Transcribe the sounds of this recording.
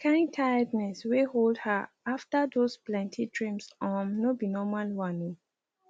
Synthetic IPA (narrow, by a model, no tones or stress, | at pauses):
kʰãɪ̃ntʰaɪdnɛsweholdha | aftadosplɛ̃ntʰidɹĩmsɔ̃nnobinɔmalwanĩ